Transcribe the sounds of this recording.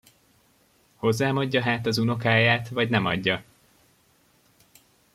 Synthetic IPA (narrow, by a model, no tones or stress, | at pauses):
ho̞zːaːmɒɟːɒɦaːt̪ɒzuno̞kaːjaːt̪vɒɟnɛmɒ̰ɟːɒ